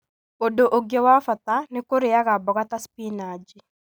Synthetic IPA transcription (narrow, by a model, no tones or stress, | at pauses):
odoʔoɡjɔwafat̪anɪkoɾɪjaɣabɔkat̪aspinad͡ʒi